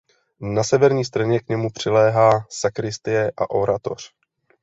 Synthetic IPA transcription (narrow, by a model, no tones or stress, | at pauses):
nasɛvɛɾɲiːst̪rɛɲɛkɲɛmupr̝̥ɪlɛːɦaːsakɾɪst̪ɪjɛʔa̰ʔo̞ɾʔat̪o̞r̝̥